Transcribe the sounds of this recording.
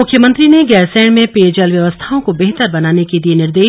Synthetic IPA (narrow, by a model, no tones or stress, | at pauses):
ʊkʰːjəmə̃nt̪ɾineɡɛːɾsɛ̃ːɳmẽpeːd͡ʒəlʋjɐʋəst̪ʰaõkobeɦt̪əɾbɐnaːneked̪ienɪɾd̪eː